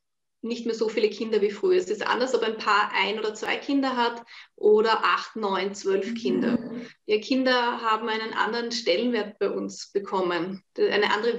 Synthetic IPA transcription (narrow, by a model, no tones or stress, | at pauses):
nɪçtmeɛːɐzofiːləkʰɪndɐviːfʁ̥yːɐɛsɪstʔa̰ndɐsɔbæɪnpʰaːɐʔaɪnoːdɐt͡sv̥a̰ɪkʰɪndɐɦatʔoːɾɐʔaχtnɔʏnt͡sv̥œlfkʰɪndɐ̰ʔiːʁəkʰɪndɐɦaːbm̩æɪnənʔa̰ndəʁənʃtɛlənveːɐt̚b̥aɪʔʊnsb̥əkʰɔmənd̥ʔa̰ɪnəʔa̰ndəʁə